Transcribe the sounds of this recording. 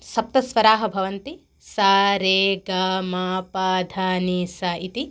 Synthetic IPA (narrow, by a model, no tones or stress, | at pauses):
sɐp̚t̪ɐsʋɐɾaːɦɐbʱɐʋɐnt̪i | saːɾeːɡaːmaːpaːd̪ʱaːniːsaːʔit̪i